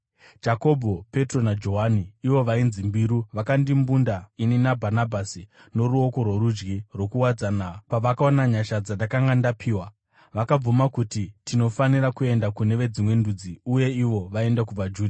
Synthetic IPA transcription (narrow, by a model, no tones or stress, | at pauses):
d͡ʒako̞bʱo̞pe̞tro̞nad͡ʒo̞ɦaniːʋo̞ʋainzimbiɾuʋakandimbundaininabʱanabʱasi | no̞ɾuoko̞rwoɾud͡ʒɡirwo̞kuwad͡zanapaʋakaonaɲaʃad͡zandakaŋɡandapʰiːwa | ʋakab͡vumakutitʰino̞faniɾakue̞ndakune̞ʋe̞d͡zimwe̞ndud͡ziuje̞iʋo̞ʋae̞ndakub͡vad͡ʒuːda